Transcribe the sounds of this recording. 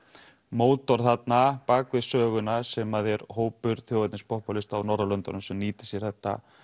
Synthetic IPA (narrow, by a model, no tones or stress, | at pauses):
moːwt̪ɔɾ̥θat̪napaːkvɪsœːɣʏnasɛmaðɛɾhoːwpʏɾ̥θjowvat̪nɪnspɔhpalɪst̪awnɔɾalœnt̪ɔ̰nʏsɛmniːt̪ɪ̥sjɛɾ̥θɛht̪ːa̰